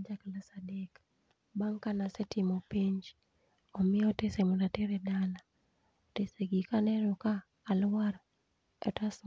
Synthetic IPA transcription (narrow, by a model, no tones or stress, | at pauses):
d͡ʒaklasadek | baŋkanasɛtɪmɔpiɲd͡ʒ | ɔmɪɔtesemuɾatɪɾɛdala | teseɡikanɛɾɔkaː | lwaɾ | ɛ̰tas